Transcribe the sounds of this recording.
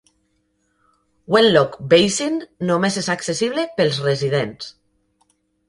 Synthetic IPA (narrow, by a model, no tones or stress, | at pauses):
wenlɔkbejsinːomezezaksesiβlepelˠzrezið̞ens